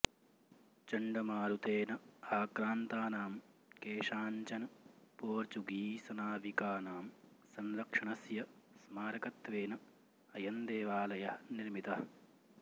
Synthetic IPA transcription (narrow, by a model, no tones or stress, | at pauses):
t͡ʃɐɳɖɐmaːɾut̪eːnɐaːkɾaːnt̪aːnaːmkeːʂaːɲt͡ʃɐnɐpoːɾt͡ʃuɡiːsɐnaːʋikaːnaːmsɐnɾɐkʂɐɳɐsjɐsmaːɾɐkɐt̪ʋeːnɐ | ɐjɐnd̪eːʋaːlɐjɐɦɐniɾmit̪ɐhɐ